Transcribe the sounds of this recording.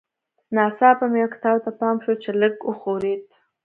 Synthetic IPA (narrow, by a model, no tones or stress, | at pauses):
nɑsɑpamjakt̪ɑwt̪apɑmʃot͡ʃeləɡəxoɾet̪